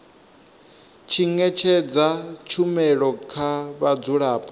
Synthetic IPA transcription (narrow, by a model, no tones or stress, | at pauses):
t͡ʃʰiŋɛt͡ʃʰɛd͡zat͡ʃʰumɛɺɔkʰaβad͡zuɺaːpʼɔ